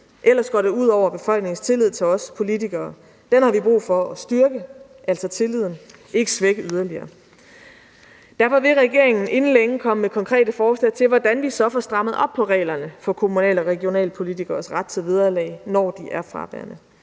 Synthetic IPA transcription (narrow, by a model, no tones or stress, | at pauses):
ʔelɐsɡ̥ɒ̰ːdeuð̞̰ˠɒʊ̰ɐb̥e̝fɒ̽l̰ɡ̥ne̝ŋn̩st͡sʰe̝lið̞̰ˠt͡sʰe̝lɒ̽spʰo̝lit͡sʰiɡ̥ɐː | d̥enhɑ̈ʋib̥ʁṵːfɒ̽ɒsd̥yɐɡ̥ə | ʔæl̰sɒ̽t͡sʰe̝lið̞̰ˠn̩ʔe̝ɡ̥əsʋeɡ̥əʔyð̞ˠɐliɐː | d̥æɐfɒʋe̝ʁɛɡ̥e̝̰ɐe̝ŋn̩e̝nn̩leeŋəkʰɒ̽məmekʰɒ̽ŋkʰʁɛ̰ːdəfɒːslɛ̰ːt͡sʰe̝lʋɒd̥ænʋisɒ̽fɒsd̥ʁɑ̈məð̞̩ˠɒ̽b̥̚pʰɒ̽ʁɛ̰ːlɐnəfɒ̽kʰo̝munɛ̰ːləɒʁɛɡ̥io̝nɛ̰ːləpʰo̝lit͡sʰiɡ̥ɐːsʁäd̥̚t͡sʰe̝ʋið̞ˠɐlɛ̰ːɪnɒ̰ːd̥iʔæɐfʁɑ̈ʋæ̰ɐnə